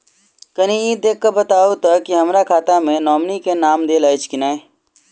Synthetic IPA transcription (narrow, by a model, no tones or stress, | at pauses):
kənĩid̪eːkːəbət̪aːut̪akiɦɐmɾakʰaːt̪amẽnɔːmnikenaːmd̪eːlaːɪt͡ʃkɪnaːe